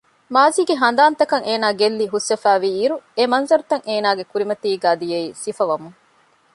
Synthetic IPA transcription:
maːziːɡeɦɐnd̪aːnt̪ɐkɐŋʔeːnaːɡelːiɦusːɐfæːʋiːɾuemɐnzɐɾut̪ɐŋʔeːnaːɡekuɾimɐt̪iːɡaːd̪ijeiːsifɐʋɐmuŋ

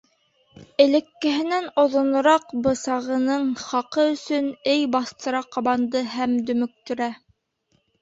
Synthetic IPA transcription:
ɘ̆lɘ̆kːɘ̆ɦɘ̆nænŏðŏnŏɾɑqbɤ̆sɑʁɤ̆nɤɴχɑqɤɵ̆sɵnɘjbɑθt̪ɤ̆ɾɑqɑβɑnd̪ɤɦæmd̪ɵ̆mɵ̆k̚t̪ɵ̆ɾæ

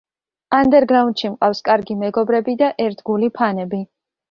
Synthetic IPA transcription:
and̪ɛɾɡɾaunt̪ʃimqʼafskʼaɾɡimɛɡɔbɾɛbid̪aʔɛɾt̪ʰɡulipʰanɛbi

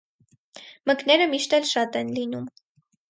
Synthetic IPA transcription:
məknɛɾəmiʃt̪ɛlʃɑt̪ɛnlinum

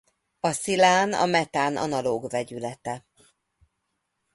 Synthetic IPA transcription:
ɒsilaːnɒ̰mɛt̪aːnʔɒ̰nɒloːɡvɛɟylɛt̪ɛ

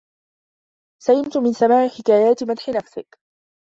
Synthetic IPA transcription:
sajɪmt̪mɪnsamaːʕɪħɪkaːjaːt̪mad̪ħɪnafsɪk

